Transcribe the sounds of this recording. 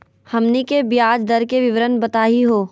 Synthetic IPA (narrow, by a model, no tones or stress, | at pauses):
hɐmnikebjaːd͡ʒd̪ɐɾkeʋɪʋɾənbɐt̪aːiɦoː